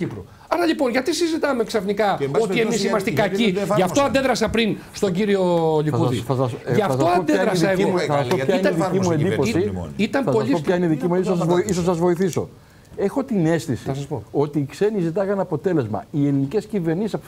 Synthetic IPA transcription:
cipɾo | ɐɾɐʎipo̞nʝɐt̪isizit̪ɐmeksɐfnikɐo̞iemisimɐst̪ikɐciʝɐft̪oɐnd̪e̞ðɾɐsɐpɾinst̪o̞ɲɟiɾio̞ʎikuðiθɐsɐsʝɐffɐsoɐnod̪eɐðɾɐsɐeɣiomɐsɐsoçɐiinɐiðiimuend̪ipo̞sḭit̪ɐmɐspoɐʎipoopçɐineiðicimuisosɐoisos̬sɐzvo̞iθiso̞̰ | e̞xo̞t̪ine̞st̪isiɐsɐspoo̞t̪iːkse̞nizit̪ɐɣɐnɐpo̞t̪e̞le̞zmɐ̰ielinice̞sciɱveɾnisesɐp

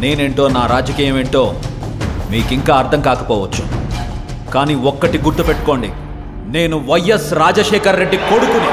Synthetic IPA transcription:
ne̞ːneɳʈo̞ːnaːɾaːd͡ʒɐkiːjɐme̞ɳʈo̞ː | miːkiŋkaːɐɾd̪ʰʱɐŋkaːkɐpɔːʋɐt͡ʃːu̥ | kaːniːɔkːɐʈiɡuɾt̪upeʈːu̥ko̞ːɳɖi | ne̞ːnuʋɐjɐsɾaːd͡ʒɐʃɛːkʰɐɾːe̞ɖːikoɽukuni

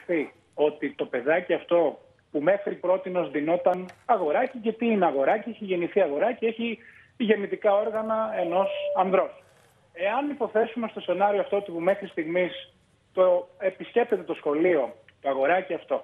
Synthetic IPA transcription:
θi | o̞t̪it̪o̞pe̞ðɐciɐft̪o̞ | pume̞xɾipɾo̞t̪ino̞zðino̞t̪ɐnɐɣo̞ɾɐcicɐt̪iineɐɣo̞ɾɐceeçiʝe̞niθiɐɣo̞ɾɐcee̞çi | ʝe̞nit̪ikɐo̞ɾɣɐnɐe̞no̞sɐnðɾo̞s | e̞ɐnipo̞θe̞sume̞st̪o̞se̞nɐɾioɐft̪o̞ot̪ipume̞xɾist̪iɣmis | t̪oe̞pisce̞p̚t̪e̞t̪e̞t̪o̞sxo̞lio̞ | t̪o̞ɐɣo̞ɾɐciɐft̪o̞

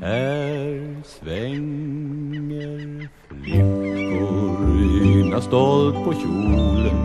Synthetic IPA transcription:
æɾsvɛŋ | əɾ | lɪfʊɾynast̪ɔlt̪̚pʰɔɕuːlən

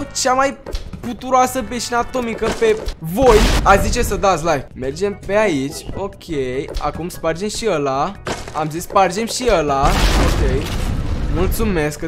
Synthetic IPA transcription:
t͡ʃamajput̪uɾoasəpeʃinat̪o̞mikəpe̞vo̞jazit͡ʃe̞səd̪at̪sʲlajvme̞rd͡ʒe̞mpe̞ait͡ʃʲo̞kʲʰeja̰kumspard͡ʒemʃiəlaa̰mzisspard͡ʒe̞mʃiəlaokʲejmult̪sume̞sk

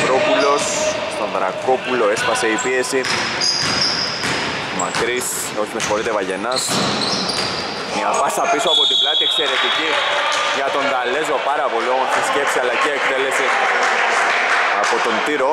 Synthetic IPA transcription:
pɾo̞pulo̞sst̪o̞nd̪ɾɐ̰ko̞pulo̞e̞spɐse̞ipie̞si | ma̰kɾis | o̞çimesxoɾit̪evɐʝe̞nɐs | miɐpɐsɐpisuapo̞t̪iblɐt̪ie̞kse̞ɾe̞t̪iciʝɐt̪o̞nd̪ɐle̞zo̞pɐɾɐpo̞liomont̪iscefpsialɐceekt̪ele̞si | ɐ̰po̞t̪o̞nt̪iɾo̞

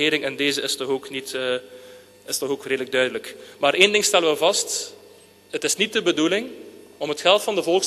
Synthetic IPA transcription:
ɪːɾɪŋɛndeːzəɪstɔxoːknitː | ɪstɔxoːkreːdələɡ̚dœɥdələkmaːɾeːndɪŋstɛləʋəvɑst | ɦətɪsnit̚dəbədulɪŋɔmətxɛlˠtfɑndəvɔlˠxs

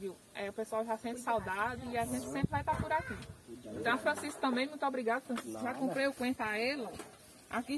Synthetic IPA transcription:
viw | ɛʊpesoawʒasẽpsawd̪ad̪ʊiaʒẽnt͡ʃ̪ɪ̥sẽmpɾɪvajt̪apoɾakiẽt̪ɐ̃w̃fɾɐ̃sisku̥t̪ɐ̃bẽj̃mũj̃t̪ʊɔbɾiɡad̪ʊfɾɐ̃siskʒakõpɾeukwẽt̪aɛlɐ | a̰ki

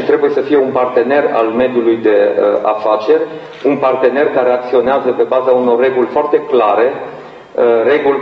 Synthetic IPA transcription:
ʃit̪ɾe̞buje̞səfije̞unpart̪e̞ne̞ra̰lme̞d̪julujd̪e̞əa̰fat͡ʃe̞rʲ | unpart̪e̞ne̞rkaɾe̞ak̚t̪sio̞neazəpe̞bazauno̞rːe̞ɡulʲfoart̪e̞klaɾe̞ | re̞ɡulʲ

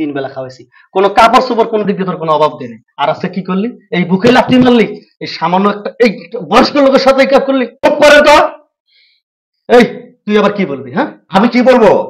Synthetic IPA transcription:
inbɛlakʰaoesi | konokapaɾsuboɾkonod̪id̪ot̪ɔɾkonoɔbʱab̚d̪inajaɾaskekikoɾliejbukʰelap̚t̪inalːi | ejʃamanːoɛk̚ʈaejbɔɾʃkolːokeɾʃɔt̪ejkap̚koɾlibup̚ːɔɾent̪ɔ | ejt̪ujabaɾkibolbiɦɛ̃amikibolbo

